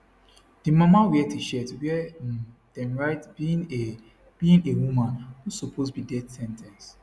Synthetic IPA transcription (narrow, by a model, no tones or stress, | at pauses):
d̥imãmawɛtiʃɛtwɛ | d̥ɛ̃mɹaɪtbĩn | b̥iĩnewumãnusɔpʰosbidɛdsɛ̃ntʰɛ̃ns